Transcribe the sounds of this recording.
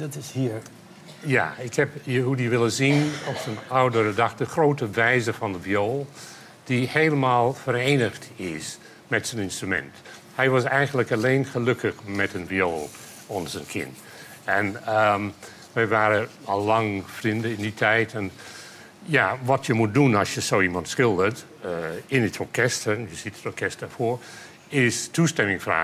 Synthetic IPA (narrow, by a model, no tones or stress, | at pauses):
dɑtɪshiːɹ | ja̰ːɪkhɛpəɦudiʋɪləzinɔpsənawdərədɑxtəχroːtəʋɛjzəfɑndəvjoːlˠ | d̥iheːləmaːlˠfəɾeːnəχtɪs | mɛtsənɪnstrymɛ̰nt | hɛjʋɑsɛjɣənləkɑleːnχəlɵkəxmɛtənvjoːlˠ | ɔnəzənkʰɪ̰n | ɛn | ʋɛjʋaːɾə | ɔlːɑŋfrindəɪnditʰɛjtʰɛn | jaʋɔtjəmut̚dunɑsjəsoːimɑntskɪlˠdət | ɪnətɔɹkʰɛstəjəsitətɔɹkʰɛstəfoːɹ | ɪstustɛmɪŋfra̰ː